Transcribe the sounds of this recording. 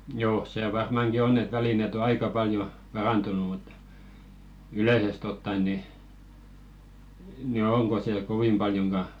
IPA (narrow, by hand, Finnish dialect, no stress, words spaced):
joː seˑ ʋɑrmɑˑŋki onː et ʋælinet o ɑikɑ pɑljo pɑrɑntunu mut yleˑsest otːɑen ni ni oŋko se koʋim b̥ɑljoŋɡ̊ɑ